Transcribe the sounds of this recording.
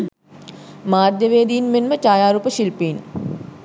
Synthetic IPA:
maːrd̪jəʋeːd̪ijːnmenmət͡ʃaːjaːɾuːpəʃilpiːn

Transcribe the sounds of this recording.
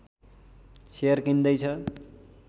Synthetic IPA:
sejʌrkind̪ʌjt͡sʰʌ

